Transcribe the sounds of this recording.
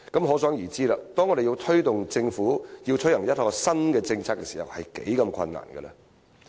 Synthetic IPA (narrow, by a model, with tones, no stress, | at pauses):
kɐ˨˥mɦɔ˨˥sœː˨˥ŋjiː˨˩t͡siː˥laː˧t̪ɔː˥ŋɔː˨˧ɾe˨jiː˧wt̪ʰɵ˥ɥt̪ʊ˨ŋt͡sɪ˧ŋfuː˨˥jiː˧wt͡ʃʰɵ˨˥hɐ˨˩ŋjɐ˥t̚hɔː˧sɐ˥nkɛː˧t͡sɪ˧ŋt͡sʰaː˥k̚kːɛː˧siː˨˩hɐ̰˨whɐ˨jkḛ˨˥jkɐ˧mkʰɐ̰˧nːa̰ː˨˩nɡɛ̰˧lɐ̰˧